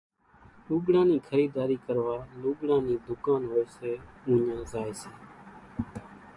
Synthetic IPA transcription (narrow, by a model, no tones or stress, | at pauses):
luːɠɽãːnĩːkʰəɾiːd̪aːɾiːkəɾʋaːluːɠɽãːnĩːd̪ʊkãːnɦoːeːseːũːɲãːzaːeːseː